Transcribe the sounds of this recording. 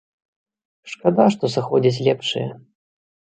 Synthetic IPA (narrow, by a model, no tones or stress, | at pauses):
ʂkad̪aʂt̪ɔsaxɔd͡zʲit͡sʲlʲɛpʂɨ̰jɛ̰